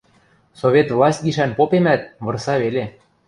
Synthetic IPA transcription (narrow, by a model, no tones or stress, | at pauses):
soβʲet̪vlˠɑsʲt̪̚ʲɡiʃænpopemæt̪̚βɤ̆rsɑβele